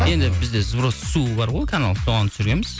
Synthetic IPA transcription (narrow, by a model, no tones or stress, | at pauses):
je̞nd̪ɪbɪzd̪ezbɾəssubɑɾʁojkʲʰana̰lˠt̪ʰoʁɑnt̪ʰsʏɾɡʲe̞nmɪz